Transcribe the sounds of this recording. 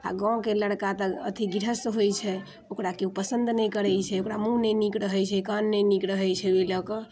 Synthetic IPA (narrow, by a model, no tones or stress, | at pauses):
a̰ɡãkeləɽkat̪əət̪ʰiɡiɾəsɦojt͡ʃʰɛ | okɾakeupəsənd̪ʱnɛjkəɾɛjt͡ʃʰɛokɾamũnɛnikɾəɦɛt͡ʃʰɛkanːɛjnikɾəɦɛt͡ʃʰɛoləkə̃